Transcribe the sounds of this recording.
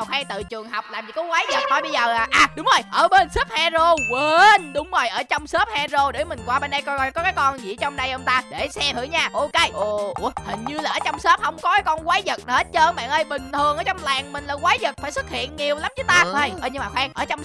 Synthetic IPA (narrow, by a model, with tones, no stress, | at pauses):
a˨˩xwaː˧ŋt̪ɨ̰˧˨t͡ɕɨ˨˩əŋɦa˨˩wk͡p̚laː˨˩mt͡ɕi˧˩kɔ˨˦kwaː˨˦jzə˨˩t̚hɔ˧˩jɓə˧jzəː˨˩aː˨˩ʔaː˨˩ɗʊ˨˦ŋ͡mzo˨˩jʔəː˧˩ɓe˧nsə˦˥p̚haː˧zo˧we˨˧nɗʊ˨˦ŋ͡mzo˨˩jʔəː˧˩t͡ɕɔ˧wŋ͡msəː˦˥p̚haː˧zo˧ɗe˨˧˦mï˨˩ŋ̟kwaː˧ɓe˧nːɗa˧jkkɔ˨˦kaː˨˦jkɔ˧nzḭ˧˩˥t͡ɕɔ˧wŋ͡mɗa˧jʔə˧wŋ͡mt̪aː˧ɗe˧˩sɛ˧t̪ʰɨ̰˧˩˦ɲaː˧ʔo˧ke˧jʔo˧˩ʔhï˨˩ŋ̟ɲɨ˧laː˨˩ʔəː˧˦t͡ɕɔ˧wŋ͡msəː˦˥p̚hə˧wŋ͡mkɔ˨˦kaː˨˦jkɔ˧nkwaː˨˦jzə˨˩t̚nə˨e˦˥t͡ɕəː˧ɓa̰ː˧˨nʔə˧jɓï˨˩ŋ̟t̪ʰɨ˨˩əŋʔəː˧˦t͡ɕwŋ͡mlaː˨˩ŋmï̟˨˩laː˧˩kwaː˨˦jzə˨˩t̚faː˧˩jsɨ˦˥k̚hḭ˧˨ənŋi˨˩əwla˨˦mt͡ɕɨ˨˦t̪aː˧ə˧˩jʔəː˧˩jɲɨ˧maː˨˩xwaː˧ŋʔəː˧˩t͡ɕɔ˧wŋ͡m